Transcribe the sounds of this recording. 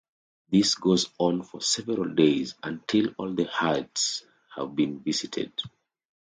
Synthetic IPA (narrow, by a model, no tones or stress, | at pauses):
ðisɡozɔ̃n̩fɔ̰sɛvəɹəlˠdeɪzə̃ntʰilˠɔlˠðəhads | hə̰vbĩnvizitʰɨ̰d̥̚